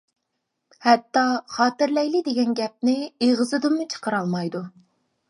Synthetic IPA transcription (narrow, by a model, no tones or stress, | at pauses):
hɛt̪ːɑχɑːt̪ɪɾlɛjlɪd̪eɡʲɛnɡʲɛp̚nɪeʁɨzɨd̪ɨmut͡ʃʰə̥qəɾɑlˠmɑjd̪u